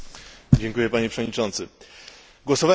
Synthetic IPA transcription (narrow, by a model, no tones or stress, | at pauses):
d͡ʑɛŋkujɛpaɲɛpʂɛvɔd̪̚ɲit͡ʂɔnt̪sɘ | ɡwɔsɔva